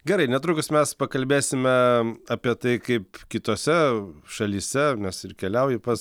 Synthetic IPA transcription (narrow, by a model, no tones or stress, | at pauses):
ɡʲɛɾɐɪnʲɛt̪ɾukʊsmʲɛspɐkɐlʲbʲeːsʲɪmʲɛɐːpʲiɛt̪ɐɪkɐɪpkʲɪt̪oːsʲɛʃɐlʲiːsʲɛnʲɛsɪrkʲɛlʲɛʊjɪpɐs